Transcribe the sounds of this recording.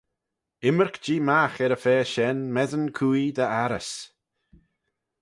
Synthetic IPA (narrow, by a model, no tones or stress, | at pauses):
ɪməɹkd͡ʒiːmaxɛɾəfɛːʃɛnmɛðənkʰuːid̪əaɾəs